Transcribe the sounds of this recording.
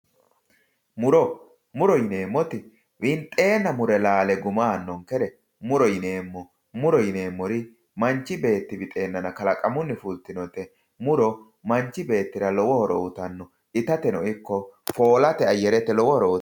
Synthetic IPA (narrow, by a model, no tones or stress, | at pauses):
mʊɾɔ | mʊɾɔjɪne̞ːmːɔt̪ɪ | wɪnt̪ʼe̞ːnːɐmʊɾɛlaːlɛɡʊmaːnːɔŋkɛɾɛ | mʊɾɔjɪne̞ːmːɔ | mʊɾɔjɪneːmːɔɾɪ | mɐnt͡ʃːɪbe̞ːt̪ːɪbɪt̪ʼe̞ːnːɐnɐkɐlɐkʼɐmʊnːɪfult̪ːɪnɔt̪ɛ | mʊɾɔ | mɐɲt͡ʃːɪbe̞ːt̪ːɪɾɐlɔwɔhɔɾɔ̰ʊt̪ɐnːɔ | ʔɪt̪ɐt̪ɛnɔʔɪkːɔfo̞ːlɐt̪ɛɐjːɛɾɛt̪ːɛlɔwɔhɔɾɔʊ